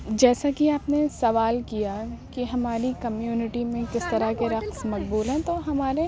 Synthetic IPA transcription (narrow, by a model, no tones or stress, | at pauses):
d͡ʒɛːsakiaːpnesɐʋaːlkijakiɦɐmaːɾikɐmjuːnɪʈimẽkɪst̪ɐɾakeɾɐqsmɐq̚buːlɦɛ̃t̪oɦɐmaːɾe